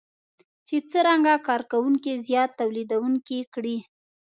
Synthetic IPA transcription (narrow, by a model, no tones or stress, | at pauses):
t͡ʃet͡səɾaŋɡakɑɾkawuŋkizjɑt̪ːawlid̪awuŋkikɽi